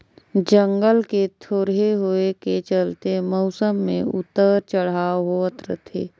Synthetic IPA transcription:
d͡ʒəŋɡəlket̪ʰoːɾɦeɦoeket͡ʃəlt̪emɔʊsəmːḛ̃ʊ̰t̪ːəɾt͡ʃəɽ̤aːoɦoət̪ɾət̪ʰḛː

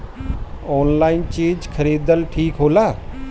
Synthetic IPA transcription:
oːnlaːint͡ʃẽːd͡ʒkʰəɾiːd̪əlʈʰiːkɦoːlaː

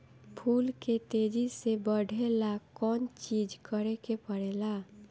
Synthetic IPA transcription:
pʰuːlket̪ed͡ʒisebəɽʱelakɔːnt͡ʃid͡ʒkəɾekepəɽɛla

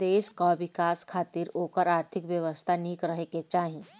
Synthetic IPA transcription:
d̪eːʃkaʋɪkaːskʰaːt̪iːɾoːkəɾaːɾt̪ʰɪkʋjəʋəst̪ʰaniːkɾəɦeket͡ʃaːɦĩ

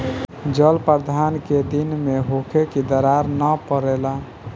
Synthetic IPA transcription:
d͡ʒəlpəɾd̪ʱanked̪inmeɦokʰekid̪əɾaɾnəpəɾɛla

